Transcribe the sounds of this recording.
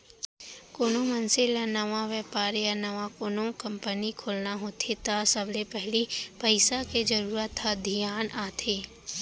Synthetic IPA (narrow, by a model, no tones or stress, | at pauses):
koːnomɐnselanɐʋaʋɛːpaːɾjanɐʋakoːnõkɐ̃mpənikʰoːlnaɦoːt̪ʰet̪asəblepɛɦlipəɪsaked͡ʒəɾuːɾət̪ʰːad̪ʱijaːnaːt̪ʰeː